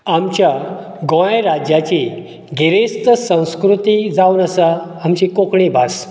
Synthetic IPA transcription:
amt͡ɕja | ɡõejɾad͡ʑjat͡ɕi | ɡʱiɾest̪əsə̃w̃skɾut̪id͡zauːnəsa | amt͡ɕikokɳibʱas

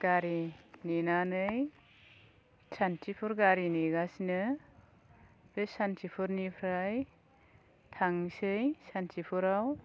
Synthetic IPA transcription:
ɡ̥aɾininanɯj | tʰantʰipʰuɾɡaɾiniɡasinɯ | dɯsantʰipʰuɾnipʰɾaj | tʰaŋsɯjsantʰipʰuɾaw

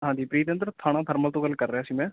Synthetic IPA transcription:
ɦãːd͡ʒiːpɾiːt̪ənd̪ɾt̪ʰaːɽ̃ãːt̪ʰəɾməlt̪õːɡəlkəɾːeaːsiːmɛ̃ː

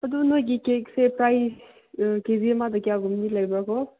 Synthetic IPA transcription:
ɐdunojɡikek̚sepɾajs | kezimadɐkijaɡumnilajbaɡɔ

